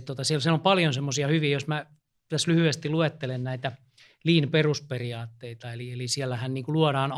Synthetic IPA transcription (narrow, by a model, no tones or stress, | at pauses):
tt̪ot̪ɑsiælsielompɑljonsemːosiɑhyʋiːjosmæ | t̪æslyhyest̪iluet̪ːelennæit̪æ | liːnperusperiɑːt̪ːeit̪ɑelielisiælːæhænniːŋkuluoɾɑːn